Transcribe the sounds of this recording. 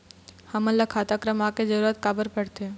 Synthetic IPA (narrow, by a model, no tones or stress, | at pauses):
həmələkʰaːt̪akɾəmaked͡ʒəɾuɾət̪kaːbəɾpəɽt̪e